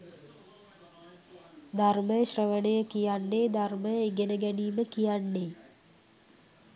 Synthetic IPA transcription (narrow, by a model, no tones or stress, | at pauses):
d̪ʱarməjɕrəʋənejəkijanːeːd̪ʱarməjeɡenəɡæniːməkijanːe